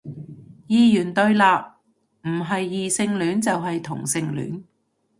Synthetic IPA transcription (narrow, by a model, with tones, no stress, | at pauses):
jiː˨jyː˨˩nt̪ɵ˧ɥlaː˨˧p̚ | m̩˨˩ɦɐ˨jːiː˨sɪ˧ŋlyː˨˥nt͡sɐ˨wɦɐ˨jt̪ʰʊ˨˩ŋsɪ˨˧ŋly̰ː˨˥n